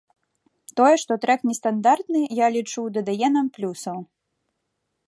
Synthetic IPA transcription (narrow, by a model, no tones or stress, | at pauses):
t̪ɔjɛʂt̪ɔt̪ɾɛknʲɛst̪and̪art̪nɨjalʲit͡ʂuwd̪ɐd̪ajɛnɐmplʲusɐw